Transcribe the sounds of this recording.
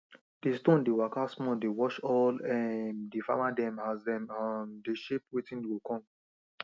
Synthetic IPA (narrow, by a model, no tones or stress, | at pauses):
d̥estõndewakasmɔ̃dewɔʃɔlɛmdifa̰madɛ̃mhazdɛ̃mãndeʃep̚wetĩnikɔ̃m